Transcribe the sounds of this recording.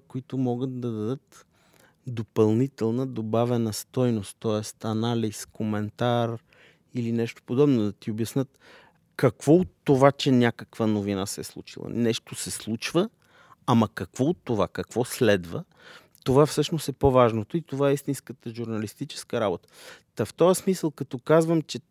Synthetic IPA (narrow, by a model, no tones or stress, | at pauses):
koit̪ʊmɔɡət̪̚d̪ɐd̪ɐd̪ɤt̪ | d̪opɐlˠnit̪ɛlˠnəd̪obavɛnəst̪ɔjnost̪t̪ːɔɛst̪ɐnaliskomɛnt̪aɾ | ilinɛʃt̪o̥pod̪ɔbnʊd̪ɐt̪iobjɐsnət̪ | kɐkv̥ɔot̪ːovat͡ʃɛnʲakəkvənovinasɛslˠṵt͡ʃḭlˠɐ̰nɛʃt̪osɛslˠut͡ʃvə | amɐkɐkvɔot̪ːovakɐkv̥ɔslɛd̪və | t̪ovafsɤʃnosɛpovaʒnot̪oit̪ovaɛist̪inskət̪əʒuɾnɐlist̪it͡ʃɛ̥skəɾabot̪ə̥t̪ɐft̪ɔjəsmisəlˠkɐt̪ɔkazvəmt͡ʃɛ